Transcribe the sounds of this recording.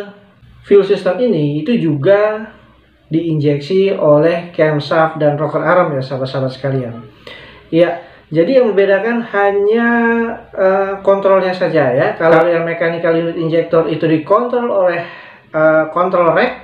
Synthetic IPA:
filsist̪əminiːt̪ud͡ʒuɡa | diːɲd͡ʒɛksiolɛhkɛmsap̚danrɔkəraɾəmjasabat̪sabat̪̚sə̥kalian | ja | d͡ʒadijaŋməmbedakanhaɲa | əkɔnt̪ɾɔlɲasad͡ʒajakalalojaŋmekanikalinʊt̪iɲd͡ʒɛk̚t̪ɔrit̪udikɔnt̪ɾɔlolɛh | əkɔnt̪ɾɔlrɛk̚

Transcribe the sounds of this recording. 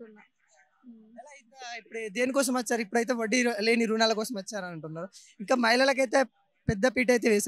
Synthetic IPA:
ɐlɐjt̪ːipːuɽd̪eːnikɔːs̬ɐmɐt͡ʃːaːɾuipːuɽɐjt̪̬e̞ːʋoɖːileːniɾuːnaːlɐkɔːsɐmɐt͡ʃːaːɾɐnɐɳʈunːaːɾu | iŋkaːmɐjlɐlɐk̬ɐjt̪e̞ː | pɛd̪ːɐpiːʈ̬ɐjt̪̬eːʋɛːs

